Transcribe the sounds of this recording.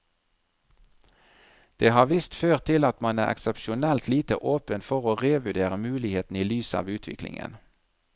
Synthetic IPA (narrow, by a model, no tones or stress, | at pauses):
d̪̥eːhɑːʋɪst̪føːʁt̪ʰɪlɑt̪mɑnæ̰ːʁɛ̰ksɛpʃʊnɛlt̪liːt̪ə̰ʔoːpənfɔʁoːʁeːʋʉd̪eːʁəmʉːlɪheːt̪n̩iːlyːsɑ̰ːʋʉːt̪ʰʋɪ̰klɪ̰ŋə̰n